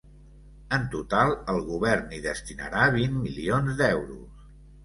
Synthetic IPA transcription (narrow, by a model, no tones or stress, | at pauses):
ənt̪ut̪alˠəlˠɣuβɛɾniðəst̪inə̰ɾaβinmilionzd̪ɛwɾṵs